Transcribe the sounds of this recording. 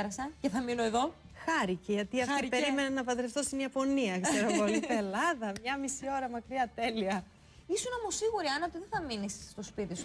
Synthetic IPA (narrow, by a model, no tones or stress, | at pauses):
ɾɐsɐceθɐmino̞eðo̞ | xɐɾiceʝɐt̪iɐft̪ipe̞ɾime̞nenɐpɐd̪ɾeft̪o̞st̪iniɐpo̞niɐkze̞ɾopolip̪elɐðɐmɲɐmisio̞ɾɐmɐkɾiɐt̪e̞liɐ | isunɐmosiɣuɾiɐnɐot̪iðeθɐminisːt̪o̞spit̪isu